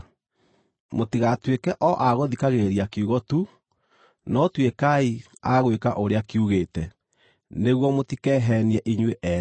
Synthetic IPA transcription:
motiɣatwekɛʔɔʔaɣoðikaɣeɾiakiuɣɔtu | nɔtwekai | aɣwekaʔoɾeakiuɣeːtɛ | neɣwɔmotikɛːɦɛniɛʔiɲweʔɛ

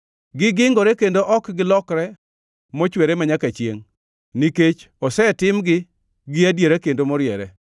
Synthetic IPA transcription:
ɡɪɡɪŋɡɔɾɛkendoʔɔkɡɪlɔkɾɛ | mɔt͡ʃweɾemaɲakat͡ʃjḛŋ | niket͡ʃ | ɔsɛtɪmɡɪ | ɡɪadjeɾakendomɔɾjɛɾɛ

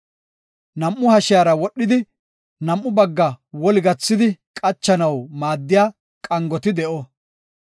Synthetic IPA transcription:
nɐmːʊhɐʃjaːɾɐwɔɗːɪd̪ɪ | nɐmʔːʊbɐɡːɐwɔlɪɡɐt͡sːɪd̪ɪkʼɐt͡ʃːɐnɐwmaːd̪ːɪjaː | kʼɐŋɡɔt̪ɪd̪ɛʔɔ

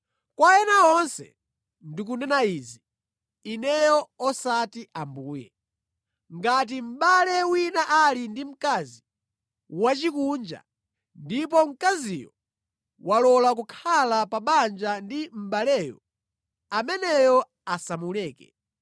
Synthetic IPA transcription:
kwaɛnaɔnsɛ̰ | ndik̬unɛnaiːziː | nɛjɔɔsatiʔambuːjɛ̰ | ŋɡat̬im̩ɓalɛwinaʔalindim̩kazi | wat͡ʃikund͡ʒa̰ | ndip̬ɔm̩kazijɔ | walɔlakukʰalapaɓand͡ʒandim̩ɓalɛːjɔ̰ | amɛnɛjɔ | asamulɛːkɛ̰

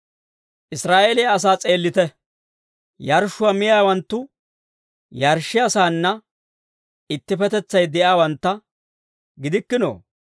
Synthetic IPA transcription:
ʔɪsɾaːʔeːlejɐs̬aːt͡sʼe̞ːlːɪt̪ɛ | jɐɾʃʊwɐmɪjaːwɐnt̪ːʊ | jɐɾʃːɪɐsaːnːɐ | ɪt̪ːɪpɛt̪ɛt͡sːɐjd̪ɛʔjaːwɐnt̪ːɐ | ɡɪd̪ɪkːɪno̰ː

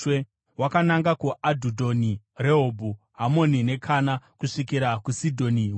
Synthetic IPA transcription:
we | wakanaŋɡakuʔadʱudʱo̞ni | reɦobʱu | ɦamo̞nine̞kʰanakuʂik̬iɾakusidʱo̞niw

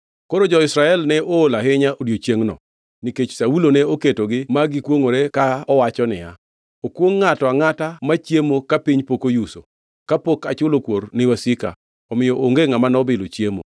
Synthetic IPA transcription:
koɾod͡ʒɔɪsɾaɛlnɛoːlaɦɪɲaʔoɾjot͡ʃjeŋnɔ̰ | niket͡ʃsawulonɛoketoɡɪmaɡɪkwoŋoɾekaɔwat͡ʃɔnɪ̰ja̰ | okwoŋːatɔaŋatamat͡ʃjemokapiɲpokojuso̰ | kapokat͡ʃʊlokwoɾnɪwasɪka̰ | ɔmɪjɔʔoŋɡeŋamanɔbɪlot͡ʃjemo̰

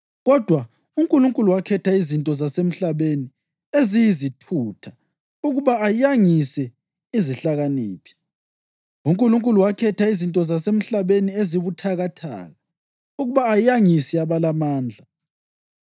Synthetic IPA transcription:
ɣɔd̥ʱwa | uŋkʼuluŋkʼuluwakʰɛtʰaizintʼɔzasem̩ɬaβeni | ezijizitʰuːtʰa | uɣuβaajaŋisɛ | iziɬaɣaniːpʰi̥ | uŋkʼuluŋkʼuluwakʰɛtʰaizintʼɔzasem̩ɬaβenieziβutʰaɣatʰa̰ːɣa | uɣuβaːjaŋisɛaβalamaːnd͡ɮʱa

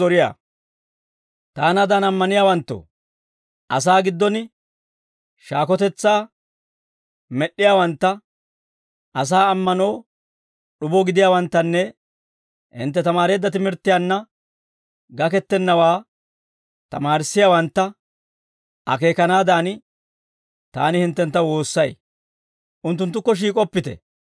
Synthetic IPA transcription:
ɔɾɪja̰ː | t̪aːnɐd̪aːnɐmːɐnɪjaːwɐnt̪ːo̰ | ʔɐs̬aːɡɪd̪ːɔn | ʃaːkɔt̪ɛt͡sːaː | mɛɗːɪjaːwɐnt̪ːɐ | ʔɐs̬aːmːɐno̞ː | ɗʊbɔɡɪd̪ɪjaːwɐnt̪ːɐnːɛ | hɪ̰nt̪ːɛt̪ɐmaːɾe̞ːd̪ːɐt̪ɪmɪɾt̪ːɪjaːnːɐ | ɡɐkɛt̪ːɛnːɐwaː | t̪ɐmaːɾɪsːɪjaːwɐnt̪ːɐ | ʔɐ̰ke̞ːkɐnaːd̪aːnɪ | t̪a̰ːnɪhɪnt̪ːɛnt̪ːɐwo̞ːsːɐj | ʔʊnt̪ːʊnt̪ːʊkːɔʃ̬iːkʼɔpːɪt̪ɛ̰

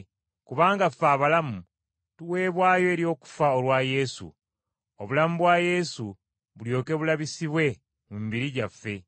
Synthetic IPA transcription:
kuβaːŋɡafaːβalamu | tuwe̞ːβwaːjo̞eɾjo̞ːku̥faolwaje̞sṵ | o̞βulamuβwaːje̞su | βuljo̞ːke̞βulaβisiβwe̞ | mumbiɾiɟafːe̞

